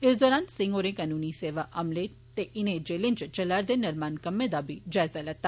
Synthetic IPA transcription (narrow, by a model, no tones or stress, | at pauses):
ɪsd̪ɔːɾaːnsɪ̃ŋɡoːɾẽkaːnuːniseːʋaʔɐmle | t̪eʔɪnẽd͡ʒeːlɪ̃nt͡ʃt͡ʃɐlaɾd̪enɐɾmaːnkɐmẽd̪abʱid͡ʒaːɪzalɐɡ̚t̪a